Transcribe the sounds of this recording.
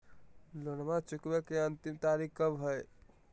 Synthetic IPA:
lonmat͡ʃukbekeənt̪imt̪aɾikkəbɦəj

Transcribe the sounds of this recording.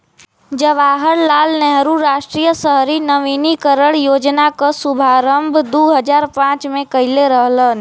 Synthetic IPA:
d͡ʒəʋaːɦəɾlaːlnɛɦɾuɾaːʃʈɾijəsəɦɾinəʋinikəɾəɽjoːd͡ʒnakəsubʱaːɾə̃mbʱd̪uɦəd͡ʒaːɾpãːt͡ʃmẽkəɪleɾəɦlən

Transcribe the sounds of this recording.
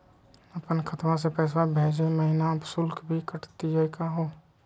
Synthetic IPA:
əpənkʰət̪ʋãs̬epɛːs̬abʱeːd͡ʒeməɦɪnaəbsʊlkbʱikəʈt̪id͡ʒəikaɦoː

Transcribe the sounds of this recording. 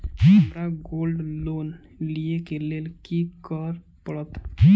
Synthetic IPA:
amɾaɡolɖlon | liekelelkikɔɾ | pɔɽɔt̪

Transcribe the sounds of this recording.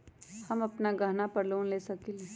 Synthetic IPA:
hɐmɐpnaɡɐɦnapɐɾloːnleːsɐkile

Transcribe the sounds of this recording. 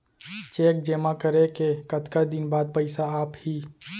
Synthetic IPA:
t͡ʃeːk̚d͡ʒeːmakəɾekekət̪kad̪ɪnbaːd̪̚pəɪsaaːphiː

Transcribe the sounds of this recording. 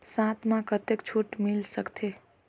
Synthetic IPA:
sãt̪ʰmãkət̪ekt͡ʃʰuʈmilsəkt̪ʰe

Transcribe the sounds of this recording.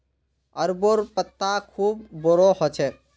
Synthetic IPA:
əɾboɾpət̪ːakʰuːbːɔɾɔɦɔt͡ʃʰɛ

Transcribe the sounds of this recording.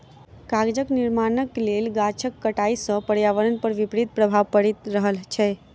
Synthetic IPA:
kaɡd͡ʒəkniɾmanəkːelelɡat͡ʃʰəkːəʈaisə̃pəɽjaʋəɾənpəɾʋipɾit̪̚pɾəbʱaʋpəɽit̪ɾəɦəlt͡ʃʰɛ

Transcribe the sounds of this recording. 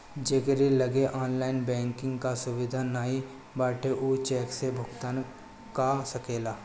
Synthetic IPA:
d͡ʒeɡɾiləɡeʔaːnlaːɪnbɛ̃ːŋkɪ̃ŋɡkasʊʋɪd̪ʱanaːi | baːʈʰeʔuːt͡ʃɛːksebʱʊɡt̪an | kasɐkeːlaː

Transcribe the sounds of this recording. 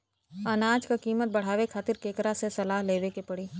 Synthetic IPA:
ɐnaːd͡ʒkakiːmət̪̚bɐɽ̤aːʋekʰaːt̪ɪɾkeːkɾasesɐlaːɦleːʋekepɐɽiː

